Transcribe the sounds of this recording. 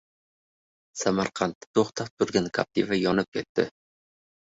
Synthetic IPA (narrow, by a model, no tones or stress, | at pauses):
samaɾqʰɑnt̪ːɪ̥t̪ʰoχt̪ʰap̚t̪ʰʊɾɡʲankʰa̰p̚t̪ʰivajɒnɪp̚kʲʰet̪ːɪ̰